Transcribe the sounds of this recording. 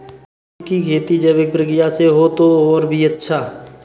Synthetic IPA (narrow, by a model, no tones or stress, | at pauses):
kikʰeːt̪id͡ʒəbek̚pɾəkɾɪjaseɦot̪oɔːɾbʱiɐtːʃʰaː